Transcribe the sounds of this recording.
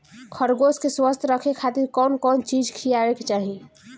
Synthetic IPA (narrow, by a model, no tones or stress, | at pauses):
kʰəɾɡoskeswəst̪ʰɾəkʰekʰat̪iɾkɔːnkɔːnt͡ʃid͡ʒkʰijaweket͡ʃaːɦi